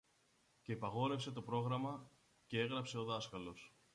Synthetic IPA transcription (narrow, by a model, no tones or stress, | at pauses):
ce̞ipɐɣo̞ɾe̞fse̞t̪o̞pɾo̞ɣɾɐmɐ | cee̞ɣɾɐpse̞o̞ðɐskɐlo̞s